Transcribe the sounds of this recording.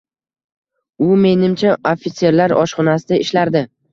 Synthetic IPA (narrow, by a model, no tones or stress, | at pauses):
ʊme̞nɪmt͡ʃʰaofʲit̪se̞ɾlaɾɒ̰ʃχɒnasɪd̪aɪʃlaɾd̪ɪ